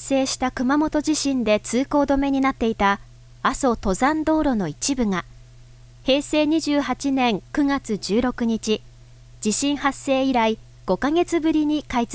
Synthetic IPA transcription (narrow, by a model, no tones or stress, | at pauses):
se̞ːɕi̥t̪akɯ̟mamo̞t̪o̞ʑiɕĩnd̪e̞t͡sɨːko̞ːd̪o̞me̞ɲ̟inat̪ːe̞it̪a | aso̞t̪o̞zãnd̪o̞ːɾo̞no̞it͡ɕibɯ̟ŋa | he̞ːse̞ːɲ̟iʑɨːhat͡ɕinẽ̞ŋkɯ̟ŋat͡sɨʑɨːɾo̞kɯ̟ɲ̟it͡ɕi | d͡ʑiɕĩɰ̃hasːe̞ːiɾai | ɡ̥o̞kaŋe̞t͡sɨbɯ̟ɾʲiɲ̟ikait͡s